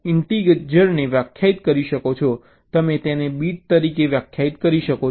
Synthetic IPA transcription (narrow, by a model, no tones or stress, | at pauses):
ɪɳʈiɡeʈd͡ʒəɾneʋjakʰjait̪̚kəɾiʃəkot͡ʃʰɔ | t̪əmet̪enebiʈ̚t̪əɾikeʋjakʰjait̪kəɾiʃəko